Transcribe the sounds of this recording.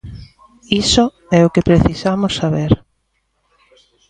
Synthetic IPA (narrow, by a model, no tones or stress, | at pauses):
iso | ɛʊkepɾeθisamʊsːaβeɾ